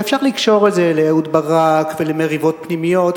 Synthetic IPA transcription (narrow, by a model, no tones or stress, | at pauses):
fʃaʁlikʃo̞ʁezelejaudbaʁakvelemeʁivo̞t̚pnimijo̞t̪